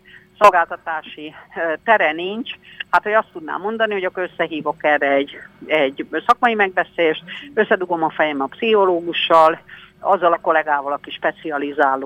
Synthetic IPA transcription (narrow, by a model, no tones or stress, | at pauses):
so̞lɡaːlt̪ɒt̪aːʃit̪ɛɾɛnint͡ʃhat̪ho̞ɟɒst̪ud̪na̰ːmːo̞nd̪ɒniɦo̞ɟɒkoɾøsːɛɦiːvo̞kɛrɛɛɟːɛɟːsɒkmɒjimɛɡ̚bɛseːʃt̪̚øsːɛd̪uɡo̞mɒfɛjɛmɒpsiho̞loːɡuʃːɒlɒzːɒlɒko̞lɛɡaːvɒlɒkiʃpɛt̪siɒlizaːloː